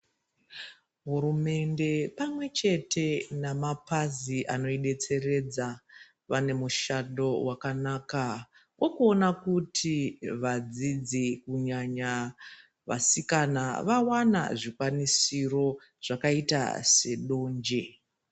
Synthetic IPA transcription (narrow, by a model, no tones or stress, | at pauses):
ɦurume̞nde̞pamwe̞t͡ʃe̞tʰe̞namapaziʔano̞iɗe̞t͡se̞re̞d͡za | ʋane̞muʃaɗo̞wakanaːka | wo̞kuo̞nakutʰiʋad͡zid͡zikuɲaɲa | ʋa̰sikanaʋawana̰ʐikwanisiro̞ | ʐ̥akaita̰se̞ɗo̞ːɲd͡ʒe